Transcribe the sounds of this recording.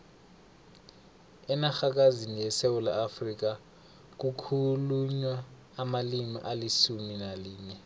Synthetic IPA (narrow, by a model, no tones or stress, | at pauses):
ɛnaxak̬azinijɛsewulaːfrik̬a | k̬ukʰuluɲwaː | malimḭʔalisuminaliːɲɛ